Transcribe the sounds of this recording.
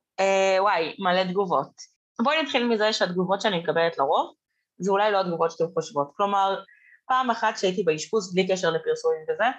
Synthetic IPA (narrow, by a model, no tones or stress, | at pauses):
ewajmaled̪ɡuvo̞t̚ | bonit̪χilmizeʃead̪ɡuvo̞tʃeanimekabeletlaʁo̞v | zeulajlo̞ad̪ɡuvotʃe̥temχoʃvo̞tklo̞maʁ | paːmeχat̪ʃeait̪̬ibeiʃkusblikeʃeʁle̞piʁsumimveze